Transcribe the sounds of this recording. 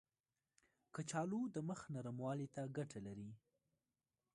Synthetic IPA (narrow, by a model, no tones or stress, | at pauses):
kət͡ʃɑlud̪əməxnaɾəmwɑlet̪aɡaʈalaɾi